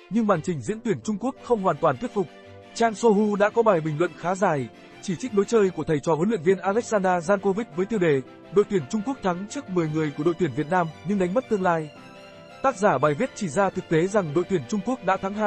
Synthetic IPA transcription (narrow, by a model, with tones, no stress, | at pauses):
ɲɨ˧ŋɓaː˨˩nt͡ɕï˨˩ŋ̟zḭ˧˥ənt̪wi˧˩ənt͡ɕʊ˧ŋ͡mku˦˥ək̚xə˧wŋ͡mhwaː˨˩nt̪waː˨˩nt̪wi˦˥t̚fʊ˨˩k͡p̚ | t͡ɕaː˧ŋso˧ɦu˧ɗa̰˧˥kɔ˨˦ɓaː˨˩jɓï˨˩ŋ̟lwə̰˧˨nxaː˨˦zaː˨˩j | t͡ɕi˧˩t͡ɕi˦˥k̟̚ɗo˨˦jt͡ɕəː˧jku˧˩ət̪ʰə˨˩jt͡ɕɔ˨˩vəː˨˦nlḭ˧˨ənvi˧ənʔaː˧lɛ˦˥k̚zaː˧nɗaː˧zaː˧nko˧vi˦˥t̚vəː˨˦jt̪i˧əwɗe˨˩ | ɗo̰˧˨jt̪wi˧˩ənt͡ɕʊ˧ŋ͡mku˦˥ək̚t̪ʰa˨˦ŋt͡ɕɨ˦˥k̚mɨ˨˩əjŋɨ˨˩əjku˧˩əɗo̰˧˨jt̪i˧˩ənvi˨˩t̚naː˧mɲɨ˧ŋɗa˨˦ŋ̟mə˦˥t̚t̪ɨ˧əŋlaː˧j | t̪aː˦˥k̚zaː˧˩ɓaː˨˩jvi˦˥t̚t͡ɕi˧˩zaː˧t̪ʰɨ˨˩k̚t̪e˨˦za˨˩ŋɗo̰˧˨t̪wi˧˩ənt͡ɕʊ˧ŋ͡mku˦˥ək̚ɗa̰ː˧˥t̪ʰa˨˦ŋɦa̰ː˧˨ʔ